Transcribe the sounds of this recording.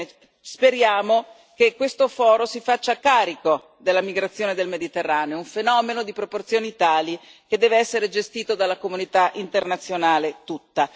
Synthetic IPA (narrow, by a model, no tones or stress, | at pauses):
speɾjaːmo | kekːwest̪ofɔːɾosifat͡ʃːakːaːɾiko | d̪elːamiɡɾat̪sːjoːned̪elmed̪it̪erːaːneouɱfenɔːmenod̪ipɾoport̪sjoːnit̪aːlik̟ed̪ːɛːveɛsːeɾed͡ʒest̪iːt̪od̪alːakomunit̪aʔint̪ernat̪sːjonaːlet̪ut̪ːa